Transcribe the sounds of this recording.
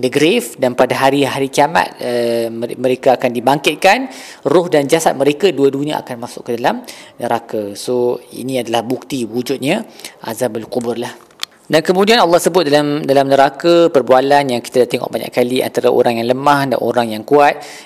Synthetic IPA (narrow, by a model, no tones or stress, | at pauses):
dəɡɾefdanpadaɦaɾiɦaɾikiama̰t̪̚əmə̃ɾekaakandibaŋkɪt̪̚kan | rʊhdand͡ʒasat̪̚məɾekaduədunĩə̰ʔa̰kanmasʊkːədalamnəɾakasoḭnĩadalahbuk̚t̪iwud͡ʒʊt̪̚ɲaʔa̰zambalkubʊrlah | dankəmũdianɑlːɑhsəbʊt̪̚dalamdalamnəɾakapərbualanjaŋki̥t̪adat̪ɛŋɔ̰ʔbaɲa̰ʔkːalia̰nt̪aɾaʔo̰ɾaŋjaŋləmahda̰nʔo̰ɾaŋjaŋkuat̪̚